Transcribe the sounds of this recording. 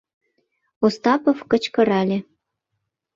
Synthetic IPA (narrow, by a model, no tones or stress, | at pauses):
ost̪ɑpofkət͡ɕkɤ̆ɾɑlʲe